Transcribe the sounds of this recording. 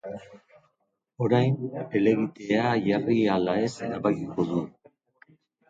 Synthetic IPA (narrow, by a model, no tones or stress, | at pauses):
o̞ɾajne̞le̞βit̪eaʝarialae̞senaβakiko̞ðu